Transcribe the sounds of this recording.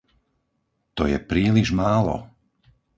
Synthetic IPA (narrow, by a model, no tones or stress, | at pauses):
t̪ɔjɛ̰pɾiːliʒmaːlɔ̰